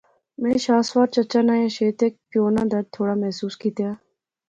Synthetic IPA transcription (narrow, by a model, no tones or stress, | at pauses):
mɛ̃ːʃaːswaːɾt͡ʃɐt͡ʃaːnaːjaʃeːt̪eːk̚pjoːnãːd̪ɐɾ̚t̪ʰːoːɽaːmɛɦsuːskiːt̪jaː